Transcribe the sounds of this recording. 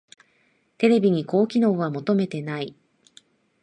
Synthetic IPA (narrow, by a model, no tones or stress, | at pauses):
t̪e̞ɾe̞bʲiɲ̟iko̞ːkʲino̞ːβamo̞t̪o̞me̞t̪e̞nai